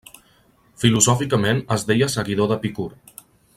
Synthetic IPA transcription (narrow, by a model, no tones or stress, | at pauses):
filuzɔfikəmenəzðejəsəɣiðoðəpikuɾ